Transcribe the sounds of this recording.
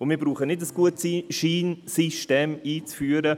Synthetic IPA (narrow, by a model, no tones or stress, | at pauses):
ʊnmiːbɾuːχənɪdəsɡ̥uətsʃiːnsiʃteːmiːt͡sfyːəɾə